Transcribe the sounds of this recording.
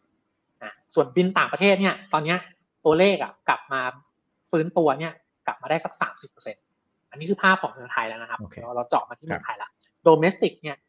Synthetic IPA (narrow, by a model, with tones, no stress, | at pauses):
ʔa˧˩su˨˩ənbi˧nt̪aː˨˩ŋpɾa˧t̪ʰeː˥˩t̪̚ni˥˩ɐt̪ɔː˧nːi˦˥ɐ | t̪u˧ɐleː˥˩k̚a̰˩kla̰˨˩p̚maː˧ | fɯː˦˥nt̪u˧ɐni˥˩ɐ | kla̰˨˩p̚maː˧daː˥˩sa˦˥k̚sa̰ː˩˦msi˨˩pːɤː˧se˧n | ʔa˧nːi˦˥kʰɯː˧pʰaː˥˩p̚kʰɔː˩˦ŋmɯ˧əŋt̪ʰa˧jlɛ˦˥wna˦˥kʰa˦˥pɾa˧t͡ɕɔ̰ː˨˩p̚maː˧t̪ʰiː˥˩ɯ˧ŋtʰa˧jla˦˥ | doː˧meː˦˥st̪i˨˩k̚ni˥˩ɐ